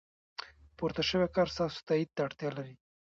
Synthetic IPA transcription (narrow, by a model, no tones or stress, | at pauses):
puɾt̪aʃəwɛkɑɾst̪ɑso̥t̪aid̪̚t̪aːɽt̪jɑlaɾi